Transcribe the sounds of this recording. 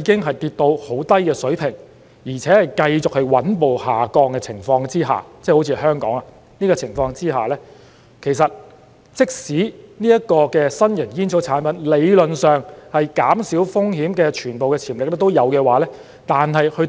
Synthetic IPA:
i˨˧˥kɪ˥ŋɦɐ˨jt̪iː˧t̪̚t̪o˧who˨˥wt̪ɐ˥jkɛː˧sɵ˨˥ɥpʰɪ˨˩ŋ | jiː˨˩t͡sʰɛː˨˥hɐ˨jkɐ˧jt͡sʊ˨k̚hɵ˧ɥwɐ˨˥npo˨whaː˨˩kɔː˧ŋkɛː˧t͡sʰɪ˨˩ŋfɔː˧ŋt͡siː˥ɦa̰ː˨˩t͡sɛː˥ho˨˥wt͡sʰiː˧ɦœː˥ŋkɔ̰ː˨˥ŋa˧ | niː˥kɔː˧t͡sʰɪ˨˩ŋfɔː˧ŋt͡siː˥ɦaː˨lɛː˥ | kʰe˨˩jsɐ˨t̚ | t͡sɪ˥k̚siː˨˥niː˥jɐ˥kɔː˧kɛː˧sɐ˥njɐ˨˩njiː˥nt͡sʰo˨˥t͡sʰaː˨˥npɐ˨˥nle˨˧jlɵ˨nsœː˨ŋhɐ˨jkaː˨˥msiː˨˥wfʊ˥ŋɦiː˨˥mkɛː˧t͡ʃʰyː˨˩npo˨wkɛː˧t͡sʰiː˨˩mlɪ˨k̚lɛ˥t̪o˥wjɐ˨˧wkɛː˧waː˨lɛː˥ | t̪aː˨nɦɐ˨jhɵ˧

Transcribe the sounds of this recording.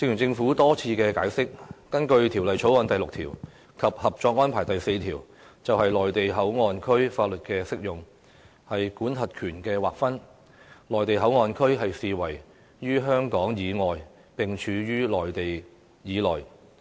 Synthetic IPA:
sɪ˧ŋjy˨˩nt͡sɪ˧ŋfuː˨˥t̪ɔː˥t͡sʰiː˧kɛː˧kaː˨˥jsɪ˥k̚ː | ɐ˥nkɵ˧ɥt̪ʰiː˨˩wlɐ˨jt͡ʃʰo˨˥wɐ˨˧nt̪ɐ˨jlʊ˨k̚t̪ʰiː˨˩w | kʰɐ˨p̚hɐ˨p̚t͡ʃɔː˧k̚ŋɔː˥npʰaː˨˩jt̪ɐ˨jse˧jt̪ʰiː˨˩w | t͡sɐ˨whɐ˨jlɔː˨jt̪e˨jɦɐ˨˥wŋɔː˨˧nkʰɵ˥ɥfaː˧t̚lɵ˨t̚kɛː˧sɪ˥k̚jʊ˨ŋ | hɐ˨jkuː˨˥nhʰɐ˨t̚kʰyː˨˩nkɛː˧waː˨k̚fɐ˥n | lɔː˨˩jt̪e˨jɦɐ˨˥wŋɔː˨nkʰɵ˥ɥɦɐ˨jsiː˨wɐ˨˩j | jyː˥ɦœː˥ŋkɔː˨˥ŋjiː˨˧ŋɔː˨j | pɪ˨ŋt͡ʃʰyː˨˧jyː˥lɔː˨˩jt̪e˨j | jiː˨˧lɔː˨˩j

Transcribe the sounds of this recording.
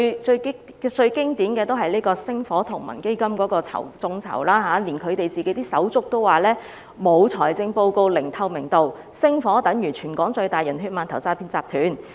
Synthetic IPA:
t͡ʃɵ˧˥ | t͡ʃɵ˧ɥkɪ˥ŋt̪iː˨˥nkɛː˧t̪o˥wɦɐ˨jliː˥kɔː˧sɪ˥ŋfɔː˨˥t̪ʰʊ˨˩ŋmɐ̰˨˩nke˥jkɐ˥mkɔː˨˥kɔː˧t͡sʰɐ̰˨˩wt͡sʊ˧ŋt͡sʰɐ̰˨˩wlaː˥ɦaː˨˥liː˨˩nkʰɵ˨˧ɥt̪e˨jt͡siː˨ke˨˥t̪iː˥sɐ̰˨˥wt͡sʊ˥k̚t̪o˥waː˨lɛː˥ | mo˨˧wt͡sʰɔː˨˩jt͡sɪ˧ŋpo˧wko˧wlɪ˨˩ŋt̪ʰɐ˧wmɪ˨˩ŋt̪o˨w | sɪ˥ŋfɔː˨˥t̪ɐ˨˥ŋjyː˨˩t͡ʃʰyː˨˩nkɔː˨˥ŋt͡ʃɵ˧ɥt̪aː˨jɐ˨˩nɦyː˧t̚maː˨nt̪ʰɐ˨˩wt͡saː˧pʰi˧nt͡saː˧p̚t̪ʰyː˨˥n

